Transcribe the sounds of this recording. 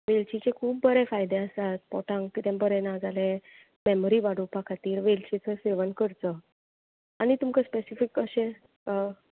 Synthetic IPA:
ʋelt͡ɕit͡ɕẽkʰuːp̚ːəɾefajd̪eəsat̪̚pɔʈãŋkt̪it̪ʰjãmbəɾɛnad͡zale | mɛmoɾiʋaɽupakʰat̪iːɾʋelt͡ɕit͡səseʋənkəɾt͡sə | anit̪umkəspesifikːəɕe | ə

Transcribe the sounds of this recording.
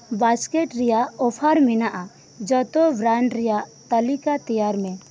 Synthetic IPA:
baskɛʈɾɛjaʔɔpʰaɾminaʔa | d͡ʒɔt̪ɔbɾaɳɖɾɛjaʔt̪əlikat̪ijaɾmɛ

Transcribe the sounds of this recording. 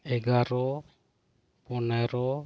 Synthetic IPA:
ɛɡaɾɔ | pɔnɛɾɔ

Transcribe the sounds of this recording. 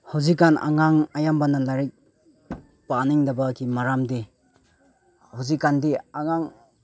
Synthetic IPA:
hawzikːana̰ŋaŋajambanalaɾik̚ | paniŋdabakʰimaɾamde | hawzikːandiaŋaŋ

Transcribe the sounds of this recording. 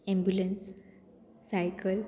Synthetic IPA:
ɛ̃mbjulẽnsː | ajkəl

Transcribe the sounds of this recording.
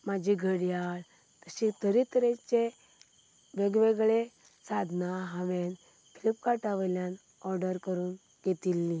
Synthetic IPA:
mad͡ʑʱiɡʱəɽjaɭ | t̪əɕit̪əɾit̪əɾet͡ɕe | ʋeɡʋeɡɭe | sad̪ʱnaɦaʋen | pʰilip̚kaʈaʋəljan | ɔɾɖəɾkəɾuːn | ɡet̪ilːi

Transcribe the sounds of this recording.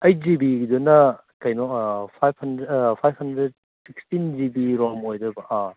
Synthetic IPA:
ɐjd͡ʒibiɡidunɐ | kɐjnɔkpʰajb̚hɐndɾepʰajb̚hɐndɾed̚ | sik̚stind͡ʒibiɾɔmojdɐbɐʔa

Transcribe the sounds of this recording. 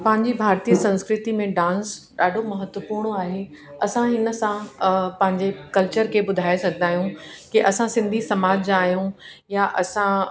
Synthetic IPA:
pɐ̃ɦɪ̃ɲd͡ʑibʱaːɾt̪iːəsɐ̃nskɾɪt̪imẽɖãːnsɗaːɖʱomɐɦət̪wəpuːɾɽ̃aːɦe | ɐsãɪnə̆sãpɐ̃ɦɪ̃ɲd͡ʑekɐlt͡ɕəɾkʰebʊd̪ʱaːesɐɡʱənd̪aːɦijũkiʔɐsãsɪ̃nd̪ʱisɐmaːd͡ʑd͡ʑaːɦjũjaʔɐsã

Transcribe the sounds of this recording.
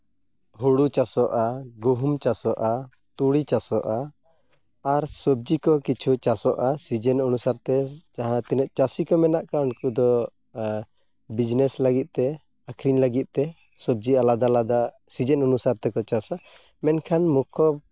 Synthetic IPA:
ɦuɽut͡ʃasɔʔaɡuɦumt͡ʃasɔʔa | t̪uɽit͡ʃasɔʔa | aɾsɔb̚d͡ʒikɔkit͡ʃʰut͡ʃasɔʔasid͡ʒɛnɔnusaɾt̪ɛt͡ʃaɦãt̪ɛnɛʔ̪t͡ʃasikɔmɛnaʔkaɔnkud̪ɔ | bid͡ʒnɛslaɡiˀt̪ɛ | akʰɾiɲləɡit̪̚ˀt̪ɛ | sɔb̚d͡ʒialad̪alad̪a | sid͡ʒɛnɔnusaɾt̪ɛkɔt͡ʃasa | mɛnkʰanmukʰɔ

